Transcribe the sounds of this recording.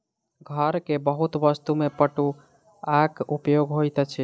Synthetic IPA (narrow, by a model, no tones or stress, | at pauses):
ɡʱəɾkebəɦut̪bəst̪umepəʈu | akupjoɡɦojt̪ət͡ʃʰi